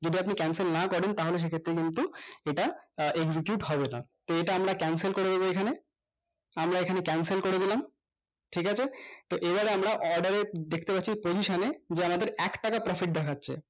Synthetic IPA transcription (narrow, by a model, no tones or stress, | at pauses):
d͡ʑod̪iapnikɛnselnakɔɾent̪aɦoleʃ̬ekʰet̪ːɾekint̪ueʈaeɡsikjuʈɦɔbena̰t̪oeʈaamɾakɛnselkoɾed̪eboekʰane | amɾaekʰanekɛnselkoɾed̪ilam | ʈʰikat͡ɕʰet̪oʔebaɾeamɾaʔɔɾɖaɾed̪ekʰt̪epatːɕʰipod͡ʑiʃoned͡ʑeamad̪eɾɛkʈakapɾɔfiʈ̚d̪ɛkʰatːɕʰḛ